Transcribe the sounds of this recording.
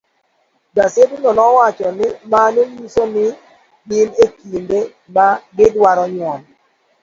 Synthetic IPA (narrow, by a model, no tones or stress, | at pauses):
ɡasedunɔnɔwat͡ʃɔnɪmanejusonɪ | ɡɪnekinde | maɡɪdwaɾɔɲwɔn